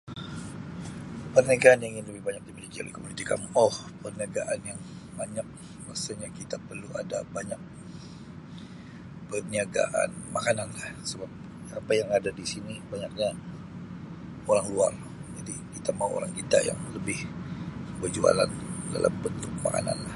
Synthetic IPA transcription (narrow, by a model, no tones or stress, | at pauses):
pərnaɡaanaiŋɪnləbɪhbaɲak̚d̪imilikia̰lḭkomulit̪ika̰nɔhpərniaɡaʔanjaŋbaɲak̚ | masaɲakit̪apərluadabaɲak̚ | pərniaɡa̰ʔa̰nmakananlahsəbap̚ | apajaŋadadisinibaɲak̚ɲa | oɾaŋluar | d͡ʒadikit̪amauʔo̰ɾaŋkit̪a̰ja̰ŋləbɪh | bərd͡ʒua̰la̰nda̰lʔa̰mbənt̪ʊk̚ma̰ka̰na̰nlah